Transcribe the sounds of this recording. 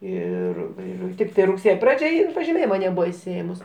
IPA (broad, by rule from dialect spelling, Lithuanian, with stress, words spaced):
ˈɪr ˈɪr ˈtʲɪktɐɪ rʊkˈsʲeːjoː ˈprɑːd͡ʒʲɛ ˈɪn pɐʒʲɪˈmʲeːjɪmɐ nʲɛˈbuːʋɐ ɪʃʲsʲɪˈeːmʊs